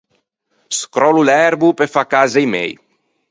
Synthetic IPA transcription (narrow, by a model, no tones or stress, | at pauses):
skɾɔlulɛɾbupefakazejmɛ̰j